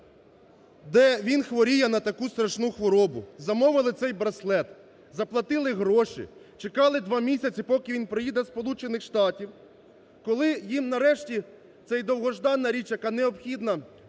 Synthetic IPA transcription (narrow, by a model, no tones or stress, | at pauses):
d̪ɛʋʲinxʋɔɾʲijɛnɐt̪ɐkust̪ɾɐʃnuxʋɔɾɔbʊzɐmɔʋɪlˠɪt̪sɛjbɾɐslˠɛt̪ | zɐplˠɐt̪ɪlˠɪɦɾɔʃḭ | t͡ʃekɑlˠɪd̪ʋɑmʲisʲɐt͡sʲipɔkɪʋinpɾɪjid̪ɛspɔlˠut͡ʃenɪxʃt̪ɑtʲiw | kɔlˠɪjimnɐɾɛʃtʲi | t̪sɛjd̪ɔwɦɔʒd̪ɑnːɐɾʲit͡ʃjɐkɑneɔbxʲid̪nɐ